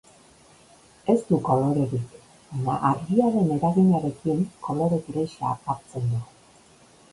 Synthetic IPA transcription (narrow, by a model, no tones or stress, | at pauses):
e̞st̪uko̞lo̞ɾe̞ɾik | baɲa̰ʔaɾɣiaɾe̞ne̞ɾaɣiɲaɾe̞kieŋko̞lo̞ɾe̞kɾejʃa̰paɾt͡se̞nd̪u